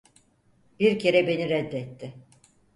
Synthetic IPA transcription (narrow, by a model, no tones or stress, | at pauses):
b̥iɾcʰe̞ɾɛbe̞niɾɛd̪ːɛt̪ʰːɪ